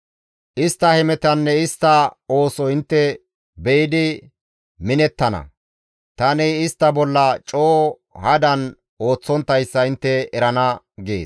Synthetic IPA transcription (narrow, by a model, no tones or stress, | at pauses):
ʔɪst̪ːɐhɛmɛt̪ɐnːɛɪst̪ːɐo̞ːsɔɪnt̪ːɛ | bɛjɪd̪ɪ | mɪnɛt̪ːɐnɐ̰ | t̪ɐnɪɪst̪ːɐbɔlːɐt͡ʃʼoː | hɐd̪ɐn | o̞ːt͡sːɔnt̪ːɐjsːɐɪnt̪ːɛːɾɐnɐ | ɡḛːs